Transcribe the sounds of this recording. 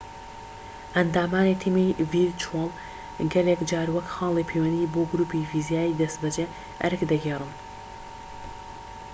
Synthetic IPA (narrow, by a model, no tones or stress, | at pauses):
ʔɐnd̪aːmaːnit̪ʰimivilt͡ʃʰwalˠ | ɡɐlekd͡ʒaːɾwɐkxɑːlˠipʰeːwɐnd̪iːboːɡɾuːpivizijaːid̪ɐst̪bɐd͡ʒe | ʔɐ̰ɾɨkd̪ɐɡeːrɨn